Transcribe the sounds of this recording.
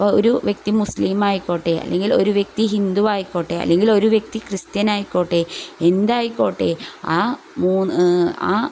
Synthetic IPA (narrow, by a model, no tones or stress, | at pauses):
po̰ɾuʋje̞k̚t̪imusliːmaːjikːoːʈːeːɐ̰lːeŋɡilo̞ɾuʋje̞k̚t̪iɦind̪uʋaːjikːoːʈːeːɐ̰lːe̞ŋɡilo̞ɾuʋje̞k̚t̪ikrɨst̪jɐnaːjikːoːʈːeːend̪aːjikːoːʈːeːaː | muːna̰ː